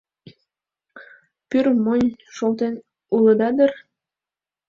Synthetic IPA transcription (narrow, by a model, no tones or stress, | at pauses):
pyrmonʲʃolt̪en | uləd̪ɑd̪ər